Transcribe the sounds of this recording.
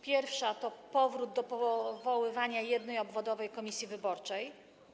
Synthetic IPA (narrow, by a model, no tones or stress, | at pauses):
pʲjɛɾfʂat̪ɔpɔvɾud̪d̪ɔpɔvɔwɘvaɲajɛd̪nɛjɔbvɔd̪ɔvɛjkɔmʲisʲjivɘbɔɾt͡ʂɛj